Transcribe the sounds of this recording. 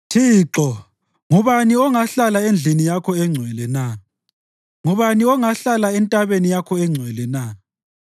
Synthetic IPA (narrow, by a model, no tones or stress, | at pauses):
tʰiːǁɔ | ŋuβaniɔŋaɬalaend͡ɮʱinijakʰɔɛŋ͡ǀʱwɛlɛna | ŋuβaniɔŋaɬalaɛntʼaβenijakʰɔɛŋ͡ǀʱwɛlɛna